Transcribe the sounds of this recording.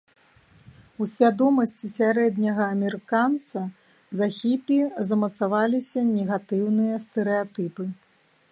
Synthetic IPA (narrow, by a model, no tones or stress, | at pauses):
usʲvʲad̪ɔmɐsʲt͡sʲisʲaɾɛd̪ʲnʲɐɣɐːmʲɛɾɨkant̪sɐ | zaxʲipʲizɐmɐt̪savalʲisʲɐnʲɛɣat̪ɨwnɨjɐst̪ɛɾɛat̪ɨpɨ